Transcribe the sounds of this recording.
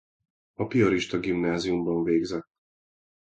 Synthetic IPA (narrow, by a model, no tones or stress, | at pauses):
ɒpiɒɾiʃt̪ɒɡimnaːzijumbɒɱveːɡzɛt̪ː